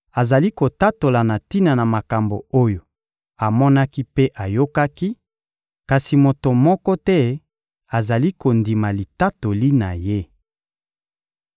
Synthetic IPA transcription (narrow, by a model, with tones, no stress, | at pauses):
a˨za˨li˦ko˨ta˦to˨la˨na˨ti˦na˨na˨ma˨ka˨mbo̰˨o˦jo˨ | a˨mɔ˦na˦ki˦pe˦ʔa˨jo˦ka˦ki˦ | ka˨si˨mo˨to˨mɔ˦kɔ˦tɛ˦ | a˨za˨li˦ko˨ndi˨ma˨li˨ta˦to˨li˦na˨je˦